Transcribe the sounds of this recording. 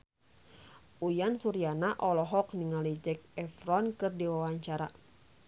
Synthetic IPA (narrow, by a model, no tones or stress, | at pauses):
ʔujansuɾianaʔɔlɔɦɔk̚niŋalid͡ʒɛk̚ɛfɾɔnkɨrdiwawaɲt͡ʃaɾa̰